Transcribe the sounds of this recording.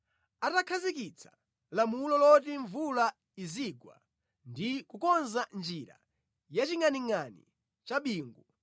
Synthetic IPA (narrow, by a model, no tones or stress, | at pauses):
atakʰazikit͡sʰḁ | lamulɔlɔtiɱvula | iziɡwa̰ | ndikukɔnzand͡ʒiɾa̰ | jat͡ʃiŋaniŋanḭ | t͡ʃaɓiːŋɡu